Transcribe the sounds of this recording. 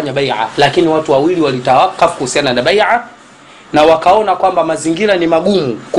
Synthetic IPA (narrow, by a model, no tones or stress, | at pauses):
ɲaɓajʕa̰lakiniwatuwawiliwalitaakafkuhusianaanaɓajʕa | nawakaɔnakwambamaziŋɡiɾanimaɠumuku